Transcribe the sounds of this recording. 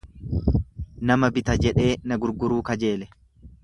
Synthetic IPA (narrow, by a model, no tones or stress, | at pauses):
nɐmɐbɪt̪ɐd͡ʒɛᶑe̞ːnɐɡʊɾɡʊɾuːkɐd͡ʒe̞ːlɛ